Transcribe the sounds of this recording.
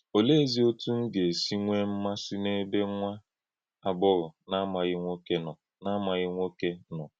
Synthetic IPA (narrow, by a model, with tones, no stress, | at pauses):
o˨le˦zi˦o˦tu˦ŋ̩˦ɡe˨si˦ŋʷe˦m̩˦ma˦si˦ne˦be˦ŋʷa˦ | a˨bʊ˦ɾʊ˨na˦ma˨ɣɪ˦ŋʷo˦ke˦nɔ˨ | na˦ma˨ɣɪ˦ŋʷo˦ke˦nɔ˨